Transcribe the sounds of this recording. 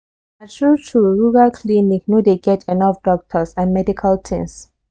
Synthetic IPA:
atʰɹutʰuɹuɹalkʰlinik̚nodeɡɛtʰɛnɔfd̥ɔk̚tʰəsãnmɛdikʰaltʰɛ̰̃ns

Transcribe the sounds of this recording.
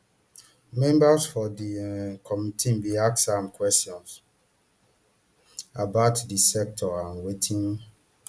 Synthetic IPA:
mɛ̃mbasfɔdikʰɔmitʰĩnbiak̚sãmkʰwɛstiɔ̃ns | abaʊtdisɛk̚tʰɔãnwetʰĩn

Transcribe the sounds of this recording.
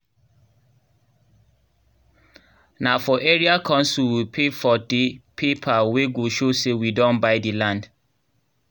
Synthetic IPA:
nafɔʔeɹiakʰɔ̃nsuwipʰefɔdepʰepʰaweɡoʃosewidɔ̃nbaɪdilãnd

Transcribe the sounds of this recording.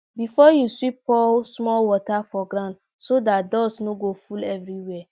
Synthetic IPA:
bifɔjuswipɔsmɔlwɔtafɔɡɾãʊ̃nd | sodatdɔsnoɡofulɛvɹiwɛ

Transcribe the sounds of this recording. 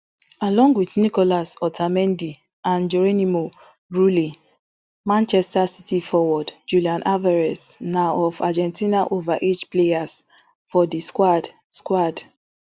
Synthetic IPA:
alɔ̃ŋɡwiθnikɔlasɔtʰamɛ̃ndi | ãnd͡ʒɔɹenimo | ɹuli | mãnt͡ʃɛstasitifɔwɔdd͡ʒuliãnʔavaɹɛsnaɔvad͡ʒɛ̃ntinaʔovaʔed͡ʒplejas | fɔdiskwad | skwad

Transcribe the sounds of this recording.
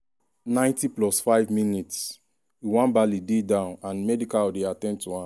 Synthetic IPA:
nãɪ̃ntiplɔsfaɪvminits | iwãnbalidedãʊ̃nãnmɛdikadeatɛ̃nd̚tuã

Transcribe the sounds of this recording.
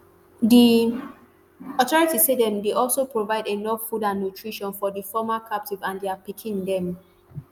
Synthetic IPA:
di | ɔtɔɹitisedɛ̃mdeʔɔlsopɹovaɪdenɔfːudãnːutʰɹiʃɔ̃nfɔdifɔmakʰap̚tivãndeapikʰĩŋdɛ̃m

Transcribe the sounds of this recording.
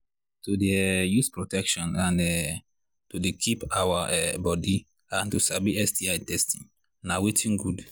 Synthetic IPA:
tudeɛjuspɹɔtɛkʃɔ̃nãnɛ | tudekʰipawaʔɛbɔdi | ãntusabiɛstiajtɛstĩŋ | nawetʰĩŋɡud

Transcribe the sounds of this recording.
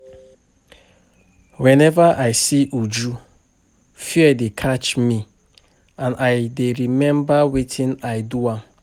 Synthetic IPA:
wɛ̃nɛvaʔajsiʔud͡ʒu | fiɛdekʰat͡ʃmi | ãnajdeɾimɛ̃mbawitʰĩnajduãm

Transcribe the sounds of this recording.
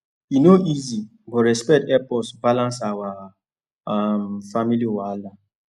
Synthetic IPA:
inoʔizi | bɔɾɛspɛk̚tɛpɔsbalãnsawa | amfamiliowala

